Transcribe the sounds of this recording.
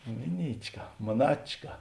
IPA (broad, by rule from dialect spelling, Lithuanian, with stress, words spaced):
ˈmʲɪˌnʲiːt͡ʃˌkɐ moːˈnɑːt͡ʃkɐ